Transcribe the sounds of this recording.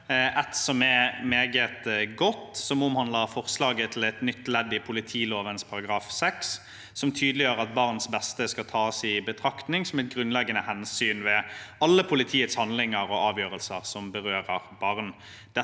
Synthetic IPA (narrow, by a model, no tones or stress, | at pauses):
ʔɛt̪sɔmɛmeːɡət̪ɡɔt̪ːsɔmɔmhɑnləʁfɔʁslɑːɡət̪ʰlɛt̪nʏt̪ːlɛd̪ːɪpʰʊlɪt̪ʰiːloːʋənspʰɑʁɑɡʁɑːfsɛksː | ɔmt̪ʰyːd̪lɪjøːʁəɑt̪̚bɑʁnsbɛst̪əskɑlt̪ʰɑːsɪbət̪ʰɾɑkt̪nɪŋsɔmɛt̪̚ɡʁʉnlɛɡːənəhɛnsyːnʋɛɑlːəpʰʊlɪt̪ʰiːət̪shɑnlɪŋəɾɔɑːʋjøːʁəlsəʁsɔmbəʁøːʁəʁbɑʁn | d̪̥ɛ